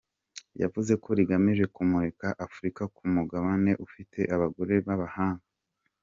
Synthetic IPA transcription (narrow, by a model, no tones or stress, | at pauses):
ja̰vuze̞kʰo̞ɾiɡamiʒe̞kumuɾe̞kaʔafuɾikakumuɡaβane̞ʔufitʰe̞ʔaβaɡo̞ɾe̞βaβahaːŋɡa